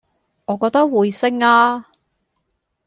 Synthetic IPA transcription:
ŋɔː˨˧kɔː˧k̚t̪ɐ˥k̚wuː˨˧jsɪ˥ŋaː˥

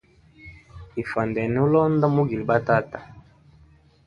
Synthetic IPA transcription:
i˨fa˨ndɛ˨nɛ˨˦u˦lɔ˦nda˦mu˦ɡi˨li˨ba˦ta˦ta˨

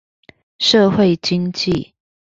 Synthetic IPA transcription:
ʂɤ˥˨xwe˥˨ɪt͡ɕi˦nt͡ɕi˥˨

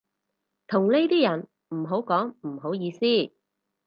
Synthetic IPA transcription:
t̪ʰʊ˨˩ŋne˥jt̪iː˥jɐ˨˩n | m̩˨˩ɦo˨˥wkɔː˨˥ŋm̩˨˩ɦo˨˥wjiː˨˧siː˥˩

